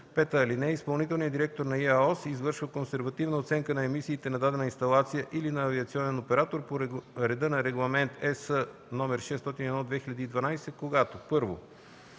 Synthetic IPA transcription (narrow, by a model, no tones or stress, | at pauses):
pɛt̪əːlinɛispɐlˠnit̪̬ɛlˠniəd̪iɾɛk̚t̪oɾnɐiaɔsizvɤɾʃvəkonsɛɾvɐt̪ivnəot̪sɛŋkənɐɛmisiːt̪ɛnɐd̪ad̪ɛnəinst̪ɐlˠat̪sijəʔilinɐːviɐt̪siɔnɛnopɛɾat̪oɾpoɾɛd̪ɤnɐɾɛɡlˠɐmɛnt̪ɛsə | nɔmɛɾʃɛst̪ɔt̪iniɛd̪nɔd̪vɛxilʎʲɐd̪iːd̪vɐnajsɛkoɡat̪opɤɾvo̰